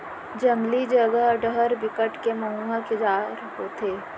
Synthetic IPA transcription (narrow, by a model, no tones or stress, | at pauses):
d͡ʒəmlid͡ʒəɡəɖəɦəɾbɪkəʈkeməɦuakɪd͡ʒaːɾɦot̪ʰeː